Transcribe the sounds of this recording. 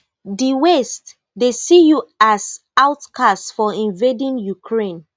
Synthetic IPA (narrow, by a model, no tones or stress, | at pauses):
diwɛst | desijuas | aʊtkʰastfɔĩnvedĩnjukʰɹẽn